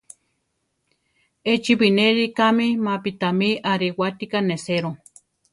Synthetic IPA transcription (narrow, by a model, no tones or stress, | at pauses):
et͡ʃiβineɾikamimapit̪amiʔaɾiwat̪ikaneseɾo